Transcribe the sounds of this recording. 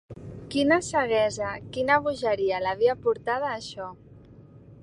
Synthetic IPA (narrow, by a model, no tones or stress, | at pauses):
kinəsəɣɛzakinaβuʒəɾialaβiapuɾt̪að̞aːʃɔ